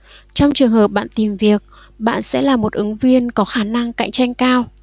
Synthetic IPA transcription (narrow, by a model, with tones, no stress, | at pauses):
t͡ɕɔ˧wŋ͡mt͡ɕɨ˨˩əŋhəː˨˩p̚ɓa̰ː˧˨nt̪i˨˩mvi˨˩ək̚ | ɓa̰ː˧˨nsɛ̰˧˥laː˨˩mo˨˩t̚ʔɨ˨˦ŋvi˧ənkɔ˨˦xaː˧˩na˧ŋka̰˧˨jŋ̟t͡ɕa˧jŋ̟kaː˧w